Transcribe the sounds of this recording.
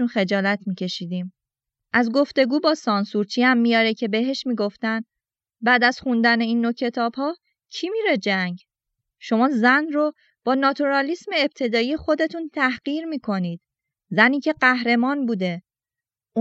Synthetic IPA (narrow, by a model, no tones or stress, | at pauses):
unxe̞d͡ʒɒːlæt̪ʰmiːcʰe̞ʃiːd̪iːm | ʔæzɡo̞ft̪e̞ɡuːbɒːsɒnsuɾt͡ʃʰiːhæmːijɒːɾecʰe̞be̞ɦe̞ʃmiːɡo̞ft̪æn | bæːd̪æz̥xund̪æne̞iːnːocʰe̞t̪ʰɒːbhɒː | cʰimiːɾe̞d͡ʒæɲɟ | ʃo̞mɒːzænro | b̥ɒːnɒːt̪ʰuɾɒlisme̞ːb̚t̪ʰe̞d̪ɒːiːjexo̞d̪e̞t̪ʰunt̪ʰæhɢ̥iːɾmiːkʰo̞niːd̪̥ | zæniːcʰe̞ɢæhɾe̞mɒːnbuːd̪e̞